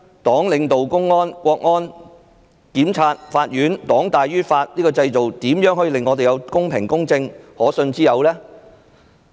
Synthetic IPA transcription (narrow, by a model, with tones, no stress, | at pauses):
t̪ɔː˨˥ŋlɪ˨˧ŋt̪o˨wkʊ˥ŋːɔː˥nkʷɔː˧k̚ŋɔː˥n | kiː˨˥mt͡sʰaː˧t̚faː˧t̚jɥyː˨˥nt̪ɔː˨˥ŋt̪aː˨jɥyː˥faː˧t̚niː˥kɔː˧t͡sɐ˧jt͡so˨wt̪iː˨˥mjœː˨˥ŋɦɔː˥ji˨˧lɪ˨ŋːɔː˨˧t̪̬e˨jɐ˨˧wkʊ˥ŋpʰɪ˨˩ŋkʊ˥ŋt͡sɪ˧ŋhɔː˨˥sɵ˧nt͡siː˥jɐ˨˧wlɛː˥